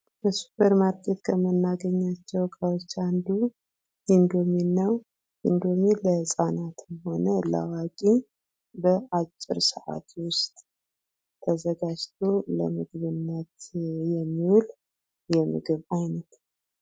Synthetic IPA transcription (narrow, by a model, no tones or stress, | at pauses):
bəsu̥pʰəɾmaɾkʰet̪kʰəmənːaɡəɲːat͡ʃːɛwkʼawot͡ʃːand̪u | ɨnd̪ominːaw | ʔɨ̰nd̪o̞meləsʼanat̪ɨnho̞nəla̰wakʼi | bəʔat͡ʃʼːɪ̰ɾsəʔa̰t̪ʰwʊst̪ʼ | t̪ʰəzəɡad͡ʒt̪ʰolə̰mɨɡβɨnːət̪jɛmːiwul | jɛmɨ̰ɡɨβajnət̪n